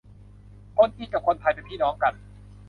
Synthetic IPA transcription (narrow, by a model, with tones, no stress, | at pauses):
kʰo˧˥˨nt̪ʰiː˥˩t͡ɕa˨˩kʰo˧˨nt̪ʰa˧˩jpe˧npʰiː˥˩nɔː˨˦˥ŋka˧˩n